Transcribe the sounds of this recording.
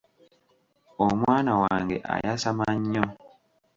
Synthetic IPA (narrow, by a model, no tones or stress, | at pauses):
omwaːnawaːŋɡḛʔa̰jasamaɲːo